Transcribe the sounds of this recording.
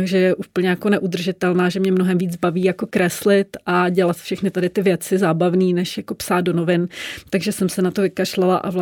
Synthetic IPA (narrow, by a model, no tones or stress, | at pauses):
ɡʒɛjɛʔuːpl̩ɲɛjakonɛʔud̪r̩ʒɪt̪ɛlnaːʒɛmɲɛmnoɦɛmviːd͡zbaviːjako̞kɾɛslɪt̪ʔaɟɛlat̪fʃɛxnɪt̪adɪt̪ɪvjɛt͡sɪzaːbavniːnɛʃjako̞psaːt̪do̞no̞vɪnt̪aɡʒɛsɛmsɛnat̪o̞vɪkaʃlalaʔa̰v